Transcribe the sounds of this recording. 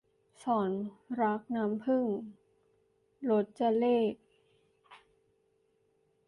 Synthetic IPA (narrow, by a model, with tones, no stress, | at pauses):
sɔː˩˦nɾa˦˥k̚naː˦˥mpʰɯ˥˩ŋ | lo˦˥t̪̚t͡ɕa˧leː˥˩k̚